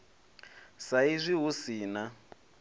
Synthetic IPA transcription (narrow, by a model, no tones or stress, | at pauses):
saizʷiɦusiːna